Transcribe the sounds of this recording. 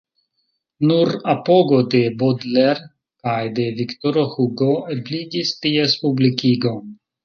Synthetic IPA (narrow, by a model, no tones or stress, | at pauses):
nuɾapoɡod̪ebod̪leɾ | kajd̪evikt̪oɾohuɡoeblidistiespublikiɡon